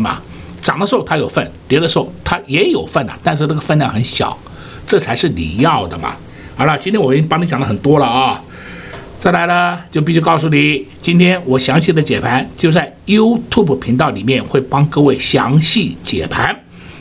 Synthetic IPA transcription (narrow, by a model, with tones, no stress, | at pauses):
mɐ̰˩ | ʈ͡ʂɑ˨˩ŋd̪ə˦ʂɻ̩˧˥o˥˧˩t̪ʰa˥jo˨˩ʊfə˥˩nt̪jɛ˧˥d̪ə˧ʂ̩˥o˥˩ʊt̪ʰa˥jɛ˧˥jo˨˩ʊfə˥˩nə̰˩t̪a˥˧nʂ̬ɻ̩˥˧na˥˩ɡə˧fə˥˧nlja˥˩ŋxə˧˥nɕjɑ̰˨˩˦ʊ | ʈ͡ʂɤ˥˩t͡sʰa˧˥ɪʂɻ̩˥˩lḭ˨˩jɑ˥˩ʊd̪ə˩mɐ̰˩ | a˧˥lɐ˨˩t͡ɕi˥nt̪ʰjɛ˥wɔ˨˩˥pɑ˥ŋni˧˥t͡ɕjɑ˨˩ŋd̪ə˦xə˨˩nt̪wɔ˥lə˨ɐ˥˧˩ | t͡sa˥˩ɪla˧˥ɪlə˧t͡ɕjo˥˧ʊpi˥˧ɕy˥˧˥kɑ˥˧ʊs̬u˧˩ni˨˩˦t͡ɕi˥nt̪ʰjɛ˥nwɔ˨˩ɕjɑ˧˥ŋɕʰi˨˩d̪ə˩˦t͡ɕjɛ˨˩pʰa˧˥nt͡ɕjo˥˧ʊt͡sa˥˩ɪju˥ʊt̪ʰju˥˩bə˩pʰi˧˥ŋt̪ɑ˥˩ʊli˨˩mjɛ˥˧nxwe˥˩ɪpɑ˥ŋkɤ˥˧we˥˩ɪɕjɑ̰˧˥ŋɕi˥˩t͡ɕjɛ̰˨˩pʰa˧˥n